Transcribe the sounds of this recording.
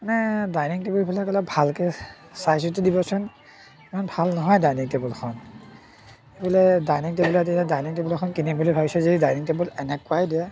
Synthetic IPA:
manɛdajniŋtebulbilakɔlabʱalkɛ | sajsutidibɔsɔn | imanbʱalnɔɦɔjdajniŋtebulkʰɔn | ebɔlɛdajniŋtebulat̬iadajniŋtebulɔkʰɔnkinibʱulibʱabisɛzedidajniŋtebulɛnɛkwajdiɛ

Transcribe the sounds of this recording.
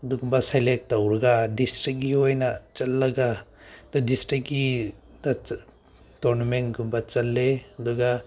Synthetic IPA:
duɡumbasajlek̚tawɾaɡadisʈɾik̚ɡiɦojnat͡ʃɐlːaɡadɔdistɾik̚ɡida | tɔɾnumenɡumbat͡ʃɐlːed̪uɡa

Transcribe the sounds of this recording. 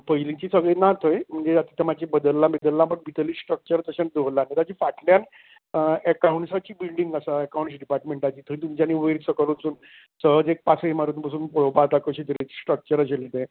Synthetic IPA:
pəjlĩt͡ɕiːsəɡɭenat̪ʰojm̤əɳd͡zeat̪i̥t̪ʰəmat͡ɕibəd̪əlːãbed̪əlːãpəɳbit̪əlisʈɾək̚t͡ɕəɾt̪əɕand̪oɦlanːet̪ad͡ʑiːfaʈljan | əkauɳʈsat͡ɕiːbilɖiŋɡasaəkawɳʈsɖipaɾʈmeɳʈat͡ɕiːt̪ʰojt̪umt͡ɕanːiːʋeɾsəkəlunsuːn | səɦəd͡zek̚pasəemaɾut̪npasuːnpoɽopat̪akəɕit̪əɾet͡ssʈɾək̚t͡ɕəɾaɕelit̪ẽ

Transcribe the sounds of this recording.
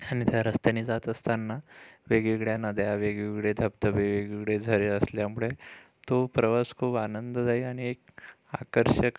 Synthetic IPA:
aɽ̃it̪jaɾəst̪ənid͡zat̪əst̪anːaʋeɡʋiɡɭjanad̪jaʋeɡʋiɡɭed̪ʱəb̚t̪əbeʋeɡʋiɡɽed͡zʱəɾeəsljamuɭe | t̪opɾəʋəskʰuːbanənd̪əd͡zaiaɽ̃iek̚ | akəɾɕək

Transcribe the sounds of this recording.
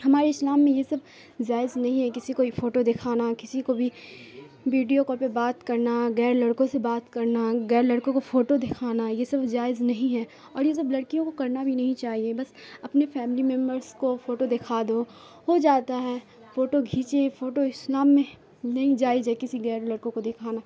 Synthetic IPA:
ɦɐmaːɾeɪslaːmːẽjesɐb̚ | d͡ʒaːɪznɐɦĩɦɛkɪsikoifoːʈod̪ɪkʰaːnakɪsikobʱi | ʋiːɖijokɔɾpebaːt̪kɐɾnaɣɛːɾlɐɽkõsebaːt̪kɐɾnaɣɛːɾlɐɽkõkofoːʈod̪ɪkʰaːnajesɐbd͡ʒaːɪznɐɦĩɦɛ | ɔːɾjes̬ɐblɐɽkijõkokɐɾnabʱinɐɦĩt͡ʃaːɦiebɐsɐpnefɛːmɪlimɛ̃mbəɾzkofoːʈod̪ɪkʰaːd̪o | ɦod͡ʒaːt̪aɦɛː | foːʈoɡʱiːt͡ʃefoːʈoɪslaːmːẽ | nɐɦĩd͡ʒaːɪd͡ʒekɪsiɣɛːɾlɐɽkõkod̪ɪkʰaːna

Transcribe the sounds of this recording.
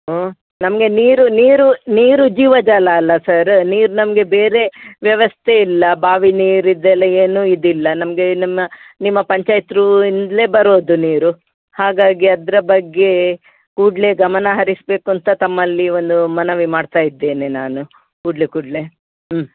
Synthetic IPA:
o | nɐmɐɡe̞niːɾuniːɾuniːɾud͡ʒiːʋɐd͡ʒaːlɐːlːɐsɐɾniːɾunɐmɐɡe̞be̞ːɾe̞ʋjɐʋɐst̪ʰe̞ilːɐbaːʋiniːɾid̪ːɛlːɐeːnuːid̪ilːɐnɐmɐɡe̞nimːɐnimːɐpɐɲt͡ʃaːjt̪ɾuind̪le̞ːbɐɾoːd̪uniːɾu | haːɡaːɡiɐd̪ɐɾɐbɐɡːe̞ | kuːɖle̞ɡɐmɐnɐɦɐɾisbe̞ːkuɐnt̪ɐt̪ɐmːɐlːio̞nd̪umɐnɐʋimaːɖt̪aːjid̪ːe̞ːnenaːnu | kuːɖlekuːɖle̞

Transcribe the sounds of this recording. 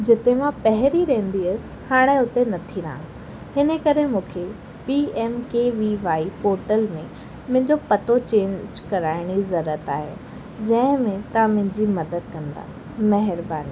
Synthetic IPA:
d͡ʑɪt̪emãpɐɦɪɾiɾɐɦə̃n̆d̪iəsɪ̥̆haːɽ̃eʊt̪enɐt̪ʰiɾã | hɪnəkɐɾemũːkʰe | piːɛːmkeʋiʋaːipoːɾʈəlmẽ | mʊ̃ɦɪ̃ɲd͡ʑopɐt̪ot͡ɕẽːɲd͡ʑkɐɾaːɪɽ̃izɐɾət̪aːɦḛ | d͡ʑɐ̃ɦɪ̃mẽt̪ɐãmʊ̃ɦɪ̃ɲd͡ʑimɐd̪əd̪̚kɐ̃nd̪a̰ː | mɐɦɪɾbaːniː

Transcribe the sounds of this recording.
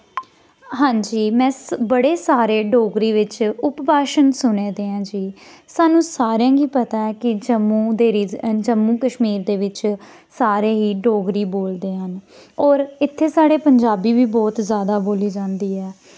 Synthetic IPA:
ɦãːɲd͡ʒiːmɛ̃ːbəɽeːsaːɾeːɖoːɡɾiːʋɪt͡ʃʊpbaːʃənsʊnẽːd̪eːãːd͡ʒiː | saːnũːsaːɾjãːɡiːpət̪aːɛːkɪd͡ʒəmːũːd̪eːɾid͡ʒəmːũːkəʃmiːɾd̪eːʋɪt͡ʃ | saːɾeːɦiːɖoːɡɾiːboːld̪eːɦənɔːɾɪt̪ʰːeːsaːɽeːpəɲd͡ʒaːbiːʋiːbɔːt̪zjaːd̪aːboːliːd͡ʒãːnd̪iːɛː

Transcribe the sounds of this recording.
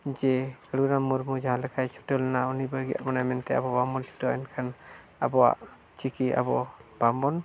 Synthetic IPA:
d͡ʒɛkəɽɡnamuɾmud͡ʒaɦãlɛkʰajt͡ʃʰɔ̥ʈɔlnaunibəɾɡija̰ʔmanamɛnt̪ɛa̰bɔbamɔntʰi̥tɔa̰nkʰan | a̰bɔwa̰ʔ | t͡ʃʰikiʔa̰bɔb̥amɔn

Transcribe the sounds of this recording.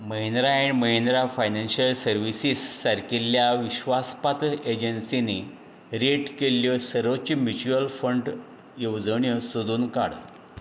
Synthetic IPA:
məɦind̪ɾaeɳ̃məɦind̪ɾafajnanɕiəlsəɾʋisisːəɾkeljaʋiɕʋaspat̪ed͡ʑənsini | ɾeʈkeljɔsəɾʋət͡ɕimjut͡ɕuəlfəɳɖ | jewd͡zəɳjɔsod̪uːnka̰ɽ

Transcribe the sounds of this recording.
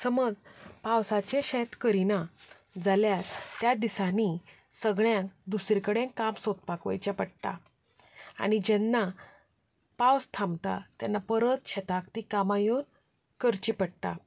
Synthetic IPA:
səməd͡zpawsat͡ɕẽɕɛt̪kəɾina | d͡zaljat̪t̪ːjad̪isani | səɡɭjãkd̪usɾikəɽẽŋkamsot̪̚pakʋa̰jt͡ɕjapəɽt̪a̰ | a̰ɽ̃id͡ʑɛnːa | pawst̪ʰamt̪a̰t̪janːapəɾət̪ɕɛt̪akt̪ikamajon | kəɾt͡ɕipəɽt̪a̰

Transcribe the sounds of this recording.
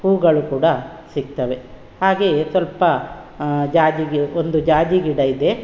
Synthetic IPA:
huːɡɐɭukuːɽɐ | siɡ̚t̪ɐʋe̞ | haːɡe̞ːsʋɐlpɐ | d͡ʒaːd͡ʒiɡiond̪ud͡ʒaːd͡ʒiɡiɽɐid̪e̞

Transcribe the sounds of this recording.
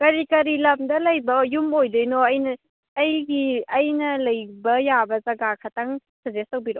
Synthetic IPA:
kɐɾikɐɾilɐmdɐlɐjbɐjumojdɯjnɔɐjnɐː | jɡiɐjnɐlɐjbɐjabɐzɐɡakʰataŋsɐzestɐwbiɾɔ

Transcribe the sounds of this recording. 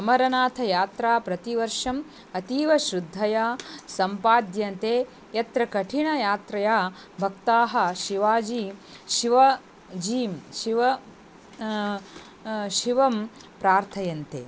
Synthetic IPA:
ɐmɐɾɐnaːt̪ʰɐjaːt̪ɾaːpɾɐt̪iʋɐɾʂɐm | ɐt̪iːʋɐʃɾud̪ʱːɐjaːsɐmpaːd̪jɐnt̪eː | jɐt̪ɾɐkɐʈʰiɳɐjaːt̪ɾɐjaː | bʱɐkt̪aːɦɐ̆ʃiʋaːd͡ʒiːʃiʋɐ | d͡ʒiːmʃiʋɐ | ʃiʋɐm | pɾaːɾt̪ʰɐjɐnt̪ḛː

